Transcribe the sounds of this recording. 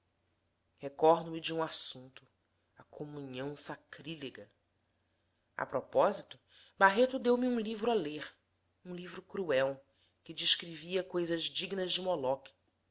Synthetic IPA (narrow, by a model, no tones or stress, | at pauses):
hekɔɾd̪ʊmɪd͡ʒɪũasũnt̪ʊ | ɐkʰomuɲɐ̃w̃sakɾileɡɐ | a̰pɾɔpɔzit̪ʊ | baɦet̪ʊd̪ewmiũlivɾʊaleɾ | ũlivɾʊkɾuɛw | kɪd͡ʒɪʃkɾiviɐkojzɐzd͡ʒiɡnɐʒd͡ʒɪmɔlɔki̥